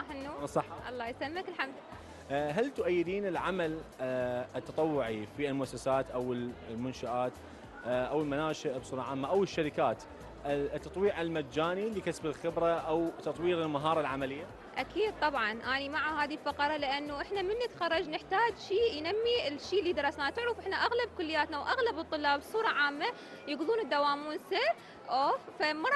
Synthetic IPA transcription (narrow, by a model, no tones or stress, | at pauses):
ħɪnːusˤɑħʔɑ̰lˤːɑːjsamːakɪlħamd̪ɪlːa | ɦalt̪ʊʔajːɪd̪iːnɪlʕamal | ɪt̪ːɑt̪ˤɑwːʊʕifiɪlmʊʔasːasaːt̪ʔawɪllmʊnʃaʔaːt̪ | ʔawɪlmanaːʃɪʔbsˤuːɾˤɑʕaːmːaʔawɪʃːaɾɪkaːt̪ | t̪ːɑt̪ˤwiːʕɪlmad͡ʒaːnilikasbɪlxɪbɾaʔawt̪ɑt̪ˤwiːɾɪlmaɦɑːɾˤɑlʕamalɪjːa | ʔakiːd̪̚t̪ˤɑbʕɑnʔaːnimaʕahaːðilfɑqɑɾˤɑlɪʔanːuʔɪħnamɪnːat̪xɑɾˤːɑd͡ʒnɪħt̪aːd͡ʒʃiːjnamːiɪlʃiːlːid̪ɑɾˤɑsnaːt̪ɪʕɾɪfʔɪħnaʔaɣlab̚kʊlːɪjːaːt̪nawʔaɣlabɨt̪ˤːɨlːɑːbbsˤuːɾˤɑʕaːmːa | jɪɡðˤuːnɪd̪ːawaːmuːnsɪ | ʔoːfamɑɾˤ